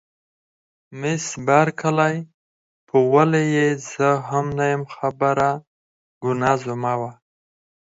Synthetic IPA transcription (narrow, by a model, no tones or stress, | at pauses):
mɪsbaɾkʰalaj | pʰəwalejezəɦamnajəmxabəɾa | ɡ̥ʊnazumawa